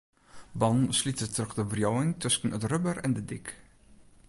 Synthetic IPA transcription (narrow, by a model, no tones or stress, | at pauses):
bɑnslitətrɵχdəvrjowɪŋtɵsənətrɵbərɛ̰ndədɪk